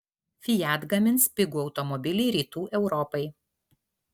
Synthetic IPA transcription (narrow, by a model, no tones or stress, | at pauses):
fʲɪjæˑd̪ɡɐmʲɪnˑspʲɪɡuːɒʊt̪ɔmɔbʲɪlʲiːɾʲiːt̪uːʔɛʊɾɔpɐɪ